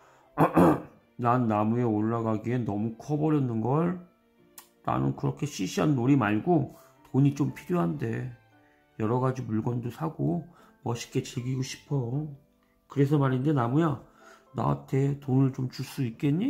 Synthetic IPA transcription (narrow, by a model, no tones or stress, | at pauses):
nanːamue̞oɭːaɡaɡie̞nʌmukʰʌbʌɾjʌnːɯnɡʌɭ | na̰nɯ̰nkɯɾʌkʰe̞ɕʰiɕʰiɦannoɾimaɭɡo | toɲit͡ɕompʰiɾjoɦande̞ | jʌɾʌɡad͡ʑimuɭɡwʌndosʰaɡo | mʌɕʰi̥k͈et͡ɕeɡiɡoɕʰi̥pʰʌo | kɯɾe̞s̬ʰʌmaɾinde̞namuja | na̰a̰tʰe̞tonɯɭt͡ɕomt͡ɕuɭs͈uik̚k͈e̞ɲːi